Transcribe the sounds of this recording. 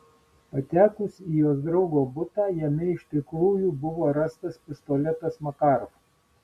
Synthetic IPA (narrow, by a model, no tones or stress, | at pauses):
pɐt̪ʲæːkʊsijoːsd̪ɾɒʊɡoːbʊt̪ɑːjɛmʲɛɪʃʲt̪ʲɪkɾuːjubʊʋoːɾɑst̪ɐspʲɪst̪ɔlʲɛt̪ɐsmɐkɑˑɾf